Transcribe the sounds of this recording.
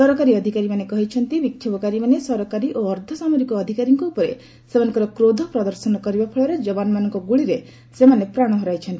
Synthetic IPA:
sɔɾɔkaɾiɔd̪ʱikaɾimanekɔɦit͡ʃʰɔnt̪ibikʰːjɔbɔkaɾimanesɔɾɔkaɾiʔoɔɾd̪ʱɔsamoɾikɔːd̪ʱikaɾiŋkɔupɔɾḛ | semanɔŋkɔɾɔkɾod̪ʱɔpɾɔd̪ɔɾsɔnɔkɔɾibapʰɔɭɔɾed͡ʒɔbanmanɔŋkɔɡuɭiɾe | semanepɾaɽ̃ɔɦɔɾajt͡ʃʰnt̪i

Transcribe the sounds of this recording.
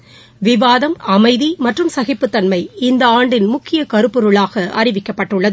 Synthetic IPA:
ʋɪʋaːðɐmɐmɐɪðimɐʈrɯmsɐɣɪpːɯt̪ːɐnmɐɪɪnd̪ɐaːɳɖɪnmʊkːɪjɐkɐɾɯpːɯɾɯɭaːɣɐʔɐɾɪʋɪkːɐpːɐʈːɯɭːɐðɯ

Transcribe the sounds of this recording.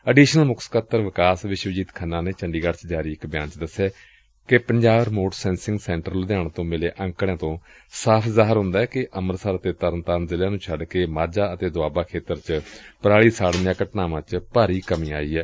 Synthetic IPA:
əɖiːʃnəlmʊkʰskət̪ːəɾʋɪkaːsʋɪʃʋd͡ʒiːt̪kʰanãːneːt͡ʃəɳɖiːɡəɽt͡ʃd͡ʒaːɾiːɪkbɪjã̰ːnt͡ʃd̪əsːɛː | kepəɲd͡ʒaːʋɾmoːʈsɛ̃ːnsɪŋɡsɛ̃ːɳʈəɾlːd̪jãːɳt̪õːmɪleːʔəŋkɽãːt̪õːsaːpʰzaːɦəɾɦʊ̃nd̪aːɛːkɪʔəməɾsaːɾət̪eːt̪əɾənt̪əɾənzɪljãːnũːt͡ʃʰəɖkeːmaːd͡ʒaːət̪eːd̪ʊaːbaːkʰeːt̪əɾt͡ʃpəɾaːɭiːsaːɽnɪjãːkəʈnaːʋãːt͡ʃpaːɾiːkəmĩːa̰ːiːɦɛː

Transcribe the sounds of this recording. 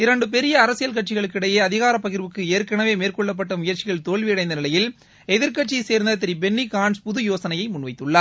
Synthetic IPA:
ɪɾɐɳɖɯpɛɾɪjɐːɾɐsɪjɐlkɐʈ̚t͡ʃːɪɣɐɭɯkːɪɽɐjeːɐðɪɣaːɾɐpːɐɣɪɾʋɯkːɯeːɾkɐɳɐʋeːmeːrkɔɭːɐp̬ːɐʈːɐmʊjɐɾt͡ʃːɪɣɐɭt̪oːɭʋɪɐɽɐɪnd̪ɐnɪlɐjɪl | ɛðɪɾkɐʈ̚t͡ʃːiseːɾnd̪ɐt̪ɪɾibɛnːikaːɳspʊðʊjoːsɐnɐjɐɪmʊnʋɐɪt̪ːɯɭːa

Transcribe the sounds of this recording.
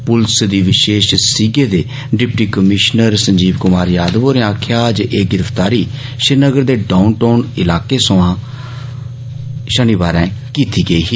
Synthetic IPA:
pʊlsd̪iːʋɪʃeːʃsiːɡeːd̪eː | ɖɪpʈiːkəmɪʃnəɾsə̃ɲd͡ʒiːbkʊmaːɾjaːd̪ʋoːɾẽaːkʰjaːd͡ʒʔeːɡɪɾəft̪aːɾiːʃɪɾnəɡəɾd̪eːɖaːʊnʈaːnɪlaːkeːsõːãː | ʃəniːbaːɾɛ̃ːkiːt̪iːɡəiːɦiː

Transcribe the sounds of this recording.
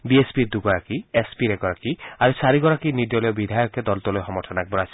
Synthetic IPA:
biespiɾd̪uɡɔɾakiespiɾɛɡɔɾakiaɹusaɾiɡɔɾakinid̪jɔlɔjɔbid̪ʱajɔkʰed̪ɔlt̪ɔlojxɔmɔɾtʰɔnak̚bɔɾasi̥

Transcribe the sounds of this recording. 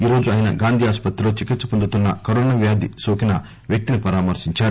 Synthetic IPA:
iːɾo̞ːd͡ʒuɐjɐnɐɡaːnd̪ʱijaːspɐt̪ɾilo̞ːt͡ʃikit̪sɐ̥pund̪ut̪unːɐkɐɾoːnɐʋjaːd̪isoːkinɐ | ʋjɐk̚t̪inipɐɾaːmɐɾʃiɲt͡ʃaːɾu

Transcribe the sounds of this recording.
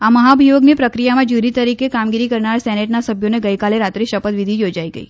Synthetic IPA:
aməɦabijoɡnipɾəkɾijamãd͡ʒuɾit̪əɾikekamɡiɾikəɾnaɾsɛneʈnasəbʱjoneɡəjkaleɾat̪ɾiʃəpət̪ʋid̪ʱijod͡ʒaiɡə̰ḭ

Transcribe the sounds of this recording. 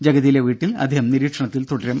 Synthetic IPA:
d͡ʑɐɡɐðijleʋiːʈːilɐ̰d̪ʱiːhɐmniɾiːkʂɐɳɐt̪ːilt̪uɽɐɾɐm

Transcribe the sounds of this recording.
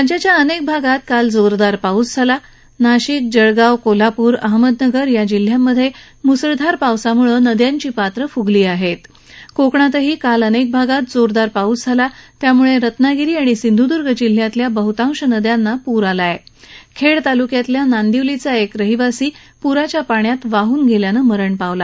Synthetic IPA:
ɾad͡ʑat͡ɕjaənek̚bʱaɡat̪̚kald͡zoɾd̪aɾpaut͡sd͡zʱala | naɕik̚d͡ʑəɭɡawkolapuːɾəɦməd̪nəɡəɾjad͡ʑil̤ːjamːəd̪ʱːje | musəɭd̪ʱaɾpaʋsamuɭənəd̪jaɲt͡ɕiːpat̪ɾəfuɡliːaɦet̪ | kokɳat̪əɦiːkalənek̚bʱaɡat̪̚d͡zoɾd̪aɾpauːt͡sd͡zʱalat̪jamuɭeɾət̪naɡiɾiːaɽ̃isind̪ʱud̪uɾɡʱəd͡ʑil̤ːjat̪ljabəɦut̪ãŋɕənəd̪janːapuɾalaekʰeɭt̪alukjat̪ljanand̪iʋlit͡saekɾəɦiʋasiːpuɾat͡ɕjapaɳjat̪ʋaɦuːnɡʱeljanəməɾəɳpaʋla

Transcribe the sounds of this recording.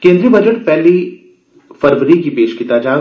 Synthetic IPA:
kẽːnd̪ɾibɐd͡ʒəʈpɛɦli | fɐɾʋɾik̬ipeːʃkit̪aːd͡ʒaː

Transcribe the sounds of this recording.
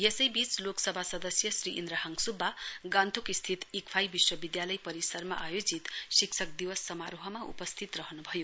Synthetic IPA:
jesʌjbit͡sloksʌbʱasʌd̪ʌsjʌsriʔind̪ɾaɦʌŋɡsubːaɡant̪ukist̪ʰit̪ikpʰajbiswʌbid̪jalʌjpʌɾisʌrma̰ʔajod͡zit̪siksʰʌk̚d̪iwʌsːʌmaɾuɦʌmaṵpʌst̪ʰit̪rʌɦʌnubʱʌjo

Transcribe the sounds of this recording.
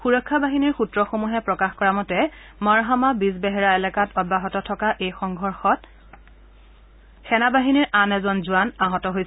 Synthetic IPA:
xuɹɔkʰːabaɦiniɹxutɹɔxomuɦɛpɹɔkaxkɔɹamɔtɛ | maɹɦamabisbɛɦɛɹaɛlɛkatɔt̚baɦɔtɔtʰɔkaʔejxɔŋɡʱɔɹxɔt | xɛnabaɦiniɹʔanɛzɔnzʊanaɦɔtɔɦojs

